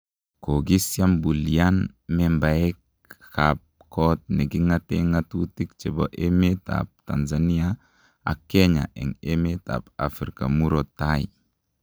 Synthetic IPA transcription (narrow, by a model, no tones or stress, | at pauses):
koɡisjambulian | membaek̚ | kap̚ | kɔt̚neɡiŋateŋatutikt͡ʃeboʔemeta̰p̚tanzania | a̰kːeɲa̰ʔɛ̰ŋemeta̰pa̰fɾika̰muɾotːai